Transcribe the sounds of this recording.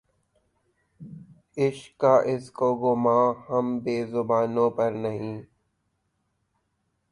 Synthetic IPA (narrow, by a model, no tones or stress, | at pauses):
ɪʃkaːʔɪskoːɡʊmãːhɐmbeːzʊbaːnõpəɾnɐɦĩː